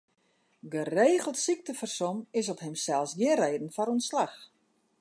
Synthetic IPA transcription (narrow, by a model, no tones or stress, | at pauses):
ɡəreːɣəlˠtsik̚təfərsɔmɪsɔpɦɛmsɛlˠsɡjɪreːdən̩fɔɾonslax